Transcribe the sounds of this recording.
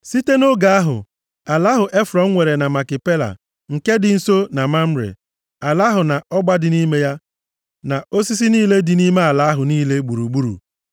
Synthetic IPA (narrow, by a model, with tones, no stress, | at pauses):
si˦te˦no˦ɡa˨a˦ɦʊ̰˨ | a˨la˦ɦʊ˨ʔe˦fɾɔ˨ŋ̩˦ŋʷe˨ɾe˨na˨ma˨kɪ˨pe˦la̰˨ | ŋ̩˨ke˦dɪ˨n̩˦so˦na˨ma˦m̩˦ɾḛ˨ | a˨la˦ɦʊ˨na˨ɔ˦ɡ͡ba˦dɪ˨ni˦me˦ja˦ | na˨o˦si˦s̬i˦niː˦le˦dɪ˨ni˦me˦a˨la˨˦a˦ɦʊ˨niː˦le˦ɡ͡bu˨ɾu˨ɡ͡bu˦ɾṵ˨